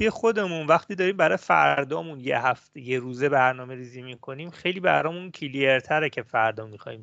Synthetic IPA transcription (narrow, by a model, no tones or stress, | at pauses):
bexo̞d̪e̞munvæχt̪ʰiːd̪ɒːɾiːmbæɾɒːjfæ̰ɾd̪ɒːmunjḛɦæft̪ejeɾuːzebæɾnɒːme̞ɾiːzimikʰo̞niːmxejliːbæ̰ɾɒːmuncʰilieɾt̪ʰæɾecʰe̞fæɾd̪ɒːmixɒ̰ːḭːm